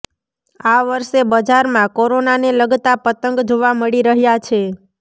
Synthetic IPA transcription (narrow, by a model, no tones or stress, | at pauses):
aʋəɾʃebəd͡ʒaɾmãkoɾonaneləɡt̪apət̪əŋɡd͡ʒoʋaməɽiɾəɦjat͡ʃʰe